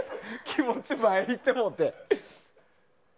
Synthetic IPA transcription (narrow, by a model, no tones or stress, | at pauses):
kʲʰimot͡ɕimaeit̪ːemot̪ːe